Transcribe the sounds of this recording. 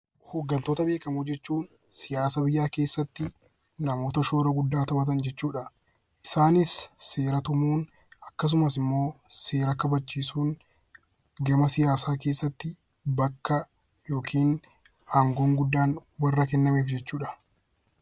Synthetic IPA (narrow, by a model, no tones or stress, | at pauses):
hoːɡːɐnt̪o̞ːt̪ɐbe̞ːkɐmud͡ʒɛt͡ʃːuːn | sɪjaːsɐbɪjːaːke̞ːsːɐt̪ːɪ | nɐmo̞ːt̪ɐʃoːɾɐɡʊd̪ːaːt̪ɐbɐt̪̬ɐnd͡ʒɛt͡ʃːuːᶑɐ | ʔɪsaːnɪsːe̞ːɾɐt̪ʊmuːn | ɐkːɐs̬ʊmɐs̬ɪmːo̞ːse̞ːɾɐkɐbɐt͡ʃːiːsuːn | ɡɐmɐsɪjaːsaːke̞ːsːɐt̪ːɪ | bɐkːɐ | jo̞ːkʰiːn | aːŋɡo̞ːŋɡʊd̪ːaːnwɐrːɐkɛnːɐmeːfd͡ʒɛt͡ʃːuːᶑɐ̥